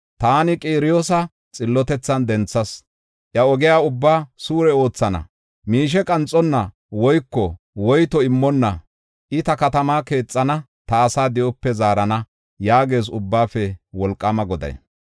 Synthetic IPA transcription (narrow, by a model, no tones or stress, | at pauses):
t̪aːnɪkʼiːɾɪjoːsɐ | t͡sʼɪlːɔt̪ɛt͡sːɐnd̪ɛnt͡sːɐs | ʔjɐɔɡɪjaːʊbːaːsuːɾɛo̞ːt͡sːɐnɐ̰ | miːʃ̬ɛkʼɐnt͡sʼːɔnːɐ | wɔjkːɔ | wɔjt̪ɔɪmːɔnːɐ̰ | ʔɪt̪ɐkɐt̪ɐmaːke̞ːt͡sʼːɐnɐ | t̪ɐːsaːd̪ɪʔɔpːɛzaːɾɐnɐ | jaːɡe̞ːs̬ʊbːaːfɛwɔlkʼːɐmɐɡɔd̪ɐ̰j̰